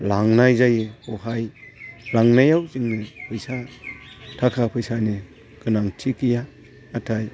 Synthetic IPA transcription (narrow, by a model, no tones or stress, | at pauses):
laŋnajzajɯɔhajlaŋnajawzɯŋnɯpʰɯjsa | tʰakʰapʰɯjsanɯ | ɡ̥ɯnaŋtʰikijaː | tʰaj